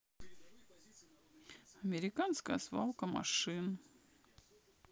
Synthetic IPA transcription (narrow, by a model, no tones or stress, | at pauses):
ɐmʲɪɾʲɪkanskəjəsva̰lˠkəmɐ̰ʂɨn